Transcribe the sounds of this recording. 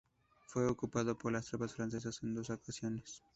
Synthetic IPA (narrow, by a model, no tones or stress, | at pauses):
fwe̞okupaðopoɾlast̪ɾopasfɾans̬e̞s̬asend̪o̞sokasjones